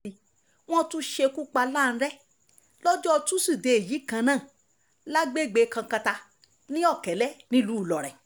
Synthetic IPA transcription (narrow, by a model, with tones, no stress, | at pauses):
w̃ɔ̃˦tũ˦ʃe˧ku˦k͡pa˧la˦˨ñ̩˧ɾɛ˦ | lɔ˦d͡ʒɔ˦ɔ˧tũ˦si˦˨de˨e˨ji˨˦kã˧nãː˦˨ | la˦ɡ͡be˦˨ɡ͡be˨˧kã˧kã˧ta˧ | nĩ˦ɔ˦˨kɛ˨˦lɛ˦nĩ˦lu˨˦˨lɔ˨ɾɛ˨